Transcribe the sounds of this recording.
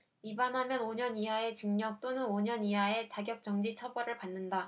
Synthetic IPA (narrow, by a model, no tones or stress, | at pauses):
ibanɦamjʌnoɲʌniɦae̞t͡ɕɯŋɲʌk̚t͈onɯnoɲʌniɦae̞t͡ɕaɡjʌk̚t͡ɕ͈ʌŋd͡ʑit͡ɕʰʌbʌɾɯɭpanːɯnda